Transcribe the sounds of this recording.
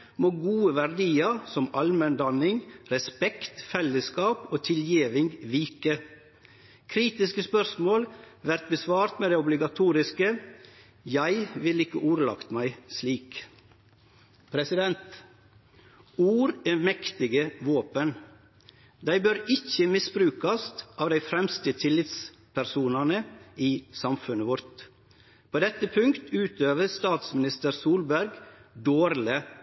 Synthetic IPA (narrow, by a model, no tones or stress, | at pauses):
moːɡuːəʋæɾd̪iːəsɔmɑlmənd̪ɑnɪŋɾɛspɛkt̪fɛləskɑːpoːt̪ʰɪljiːʋɪŋɡʋiːkə | kʰɾiːt̪ɪskəspœɾsmoːlʋæɾt̪̚bəsʋɑːɾt̪meːd̪ɛːʊblɪɡɑt̪ʰuːɾɪskə | jæɪʋɪlɪkːəʔuːɾlɑ̰kt̪mæɪsliːk | pʰɾɛsɪd̪ɛnt̪ | uːɾeːmɛkt̪ɪɡəʋoːpən | d̪æɪbøɾɪçːəmɪsbɾʉːkɑst̪ʔɑːʋd̪æɪfɾɛmst̪ət̪ʰɪlːɪt̪s | pʰæɾsuːnɑnəiːsɑmfʉnəʋɔɾt̪ | pʰoːd̪ɛt̪ːəpʰʉŋkt̪ʉːt̪øːʋəɾst̪ɑːt̪smɪnɪst̪əɾsuːlbæɾɡd̪oːɾlə